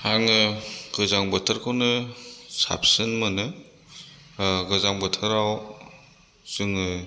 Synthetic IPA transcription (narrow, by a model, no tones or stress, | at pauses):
haŋɯɡ̥ɯzaŋbɯtʰaɾkʰawnɯsa̰p̚sɯnmɯnɯ | ɡɯzaŋbɯtʰɯɾaw | z̥ɯŋɯ